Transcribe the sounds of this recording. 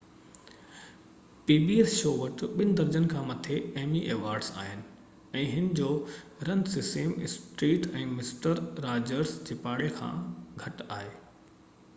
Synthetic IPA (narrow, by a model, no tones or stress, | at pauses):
piːbieːsʃoːʋɐʈɓɪnɪ̆d̪ɐɾd͡ʑənkʰãːmɐt̪ʰeɐɦmiʔeːʋaːɾɖsa̰ːɦɪnɪ̆ | ɛ̃ːɦɪnɪd͡ʑoːɾɐnsɪsẽːmɪsʈɾiːʈɛ̃ːmɪsʈəɾːaːd͡ʑəɾsd͡ʑeːpaːɽekʰã̰ːɡʱɐʈaːɦeː